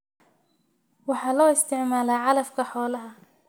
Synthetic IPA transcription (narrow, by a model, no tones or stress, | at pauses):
wɑħɑːlɔːɪst̪ʰɪʕmaːlaːʕɑlɐfkʰɐħɔːlɐɦɐ